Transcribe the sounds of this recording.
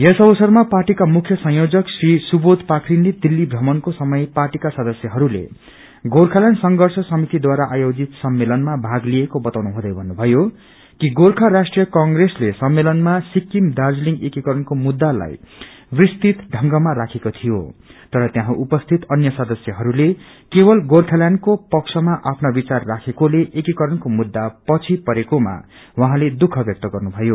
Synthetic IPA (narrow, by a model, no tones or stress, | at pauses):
jʌsʌbʌsʌrmaparʈikamukʰjʌsʌ̃ɦjod͡zʌksrisubot̪pakʰrinled̪ilːibrʌmʌnkosʌmʌjparʈikasʌd̪ʌsjʌɦʌɾulḛ | ɡorkʰalansʌŋɡʌrsʌsʌmit̪id̪waɾaʔajod͡zit̪sʌmːelʌnmabʱaɡliekobʌt̪awnuɦũd̪ʌjbʱʌnːubʱʌjo | kiɡorkʰarasʈrijʌkʌŋɡreslesʌmːelʌnmasikːimdard͡zliŋɡekikʌɾʌnkomud̪ːala̰j | wrist̪it̪ɖʱʌŋɡʌmaɾakʰekot̪ʰijot̪ʌɾʌt̪jãɦãʔupʌst̪ʰit̪ʌnjʌsʌd̪ʌsjʌɦʌɾule | kebʌlɡorkʰaljankopʌksʰʌmaʔapʰnabit͡sarːakʰekoleʔekikʌɾʌnkomud̪ːapʌt͡sʰipʌɾekoma̰ | wʌ̃ɦãled̪ukʰʌbjʌk̚t̪ʌɡʌrnubʱʌjo